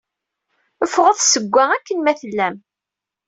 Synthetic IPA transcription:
əfʁəðˤsəɡʷːæækːənmæθəlːæm

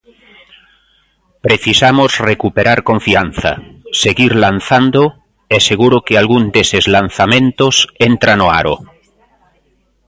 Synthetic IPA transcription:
pɾeθisamozrekupeɾaɾkõɱfian̟θa̰seɣiɾlan̟θand̪o | eseɣ̞uɾokealɣund̪esezlan̟θamẽnt̪osent̪ɾanoa̰ɾo̰

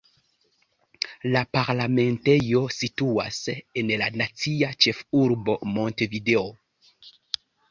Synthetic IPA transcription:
lapaɾlame̞nte̞jo̞situa̰se̞nlanat͡siat͡ʃe̞fuɾbo̞mo̞nte̞vide̞o

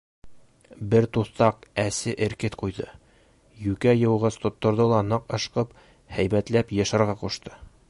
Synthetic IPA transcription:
bɘɾt̪uθt̪ɑqæsɘʔɘ̆ɾkɘt̪qujðɤ | jʉkæjɤ̆wʁɤzt̪ŏt̪ːŏɾðɤlˠɑnɤqɤ̆ʃqɤp | hæjbæt̪læpjɤ̆ʃɤ̆ɾʁɑquʃt̪ɤ

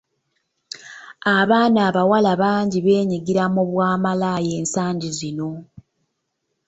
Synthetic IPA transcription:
aβaːnaːβawalaβaːɲɟiβe̞ːɲiɡiɾamuβwaːmalaje̞ːnsaːɲɟizino̞

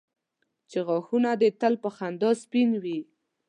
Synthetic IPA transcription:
t͡ʃeɣɔxunad̪ət̪əlpəxand̪ɔspinwi

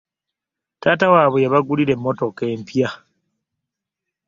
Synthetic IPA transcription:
taːtawaːβejaβaɡuliɾe̞mːo̞to̞ke̞ːmpja

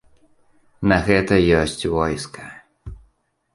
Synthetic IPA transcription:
nɐɣɛt̪ɐjɔsʲt͡sʲvɔjskɐ̥

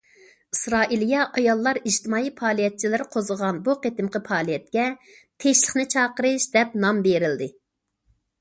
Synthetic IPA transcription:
isɾɑːʔilˠijɑʔɑjɑlˠːɑɾiʒt̪ɪmɑːipʰɑːlˠijɛt̪̚t͡ʃʰilɪɾqʰozəʁɑnbuqet̪ɪmqəpʰɑːlˠijɛt̪̚kʲɛ | t̪ʰeʃlˠəχnɪt͡ʃʰɑːqəɾɨʃd̪ɛp̚nɑmbeɾɪld̪ɪ

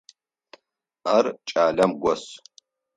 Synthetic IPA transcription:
aːrt͡ʃʼaːlɐmɡʷɔs

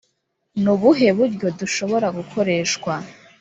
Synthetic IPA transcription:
nuβuɦe̞βuɾɟo̞duʃo̞βo̞ɾaɡukʰo̞ɾe̞ːʃkwa

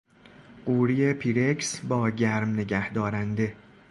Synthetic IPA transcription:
ɢ̥uːɾiːje̞pʰiɾeksbɒːɟæɾmne̞ɟæhd̪ɒːɾænd̪e̞

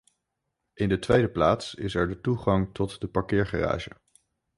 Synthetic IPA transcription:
ʔɪndətʋejdəplaːtsɪsɛɹdətuχɑŋtɔtdəpɑɹkɪːɹχara̰ːʒə̰

